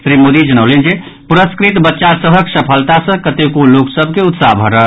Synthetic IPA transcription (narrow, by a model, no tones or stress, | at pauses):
sɾimod̪id͡ʒəñəwlend͡ʒe | puɾəskɾit̪bətːʃasəbʱəksəpʰəlt̪asə̃kət̪ekoloksəbʱkeut̪saɦbʱəɾəɦ